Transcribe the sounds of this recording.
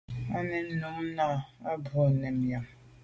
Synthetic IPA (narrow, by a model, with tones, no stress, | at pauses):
a˦nɛ˨n˦nu˨˦ŋ˦na˦˨a˦bu˨a˨nɛ˨mja˨m